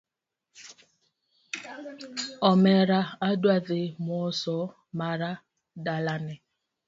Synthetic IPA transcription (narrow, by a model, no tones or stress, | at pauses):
ɔmeɾaadwaðɪmsɔ | maɾa | dalanɪ